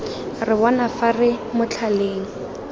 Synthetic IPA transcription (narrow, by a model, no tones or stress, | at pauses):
rɪbɔnafarɪmʊt͡ɬʰaleːŋ̩